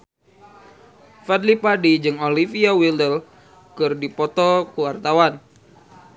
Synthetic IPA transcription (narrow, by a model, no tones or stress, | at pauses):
fadlipadid͡ʒɨŋolifiawildəl | kɨrdipɔt̪ɔkəwart̪awan